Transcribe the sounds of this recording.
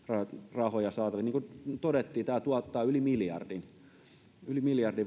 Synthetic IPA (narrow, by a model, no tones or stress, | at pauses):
rɑrɑhojɑsɑːt̪ɑʋit̪niːkut̪odet̪ːiːt̪æːt̪uɑt̪ːɑːylimiljɑ̰rdin | ylimiljɑrdi